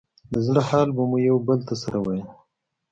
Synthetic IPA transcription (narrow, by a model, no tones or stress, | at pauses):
d̪əzɽəhɑːlbamujawbəlt̪asaɾawaji